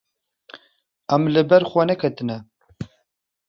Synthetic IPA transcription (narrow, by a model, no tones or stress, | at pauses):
ɛmlɨbɛɾxʷɛnɛkʰɛt̪ɨnɛ